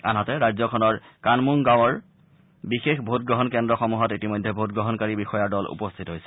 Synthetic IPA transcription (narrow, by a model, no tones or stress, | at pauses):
anatɛɹajzɔkʰɔnɔɹkanmuŋɡawɔɹ | bixexbʱot̚ɡɹɔɦɔnkɛndɹɔxɔmuɦɔtitimɔjdʱːɛbʱotɡɹɔɦɔnkaɹibixɔjaɹdɔlṵpɔstʰitɦojsɛ̥